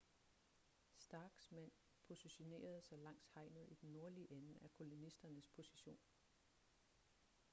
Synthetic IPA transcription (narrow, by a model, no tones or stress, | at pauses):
sd̥ɑ̈ːɡ̥smæn̰ | pʰo̝siɕo̝ne̝̰ːɐð̞̩ˠsɑɪlɑ̈ŋ̰shɑ̈ɪ̰nð̩ˠid̥enːo̝ɐliəʔenækʰo̝lo̝nisd̥ɐnəspʰo̝siɕo̝̰ːn